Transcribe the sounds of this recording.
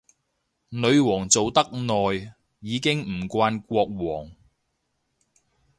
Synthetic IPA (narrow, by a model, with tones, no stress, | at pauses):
nɵ˨˧ɥwɔː˨˩ŋt͡so˨wt̪ɐ˥k̚nɔː˨jː | iː˨˧kɪ˥ŋm̩˨˩kʷaː˧nkʷɔː˧k̚wɔː˨˩ŋ